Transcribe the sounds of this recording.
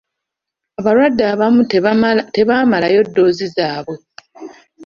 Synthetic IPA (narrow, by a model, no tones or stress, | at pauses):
aβalwadːaːβamute̞βaːmalajo̞dːo̞ːzizaːβwe̞